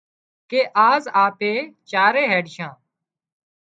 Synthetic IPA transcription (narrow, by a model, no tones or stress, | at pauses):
keːʔaːzaːpeːt͡ʃaːɾeːɦeːɖʃãː